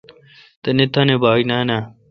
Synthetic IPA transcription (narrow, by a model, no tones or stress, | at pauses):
t̪ɐnet̪ʰaːnebaːinaːna